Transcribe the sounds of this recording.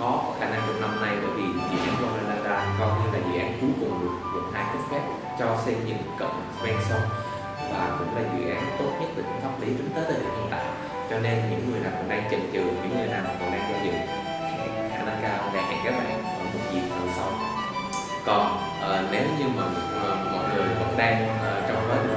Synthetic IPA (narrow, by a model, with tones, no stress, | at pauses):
xɔ˨˦kɔ˨˩˦xaː˧˩na˧ŋkʊ˧˩k̚na˧mna˧jɓə̰ː˧˩jvi˨˩zw̰ḭ˧˨ʔaː˨˦nkɔ˧nʔaː˧na˧ŋkaː˧kɔ˨˩ɲɨ˧laː˨˩zw̰ʔaː˨˦nku˨˦kʊ˨˩ŋ͡mɗɨ˨˩ək̚lə̰˧˩nhaː˧jkɨ˦˥p̚fɛ˦˥p̚ | t͡ɕɔ˧sɛ˧mɲɨ̰˧˥ŋkə̰˧˨wŋ͡m | kwɛ˧nsə˨˧wŋ͡m | vaː˨˩kʊ̰˧˥ŋ͡mlaː˨˩zwḭ˧˨ʔaː˨˦nt̪o˦˥t̚ɲə˦˥t̚t̪ɨː˨˩ɲʊ̰˧˥˦ŋfaː˦˥p̚li˨˦t͡ɕʊ˨˦ŋ͡mt̪əː˨˦t̪əː˨˩hḭ˨˧˩ʔḭ˧˨nt̪a̰ː˧˨j | t͡ɕɔ˧ne˧nɲɨ̰˧˥ŋːɨ˨˩əjnaː˨˩kɔ̰˧˩nɗaː˧ŋt͡ɕï˨˩ŋ̟t͡ɕɨ˨˩ɲɨ̰˧˥ŋːɨ˨˩jnaː˨˩ma˨˩ko̰˨˩ʔaː˧ŋzɔ˧zɨ̰˧˨ | xa̰˧˩ | xa̰ː˧˩na˧ŋkaː˧wma̰˧˩hɛ̰ː˧˩ŋkaː˨˦˥k̚ɓa̰ː˧˨kɔ˨˩nmo˨˩t̚zḭ˨˩nə˨˩sa˧˦wŋ͡m | kɔ˨˩n | ʔəː˨˩ne˨˦wɲɨ˧ma˨˩ŋː˨˩ | mɔ̰˧˨jŋɨ˨˩əjvə̰˧˥nɗaː˧ŋʔəː˨˩t͡ɕɔ˧wŋ͡mvəː˨˦j